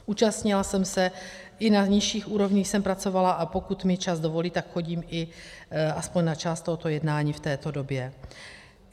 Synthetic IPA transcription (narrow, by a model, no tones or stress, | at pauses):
ʔuːt͡ʃast̪ɲɪlasɛmsɛ | ʔɪnaɲɪʃiːxʔuːɾo̞vɲiːxsɛmpɾat͡so̞valaʔapo̞kut̪mɪt͡ʃazdo̞vo̞liːt̪akxo̞ɟiːmʔɪʔaspoɲnat͡ʃaːst̪oɦot̪o̞jɛdnaːɲiːft̪ɛːt̪o̞do̞bjɛ